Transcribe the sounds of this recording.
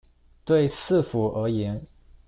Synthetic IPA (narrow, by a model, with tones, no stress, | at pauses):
t̪we˥˧ɪsɹ̩˥˨fu˨˥ʔə˧˥jɛ˧˥n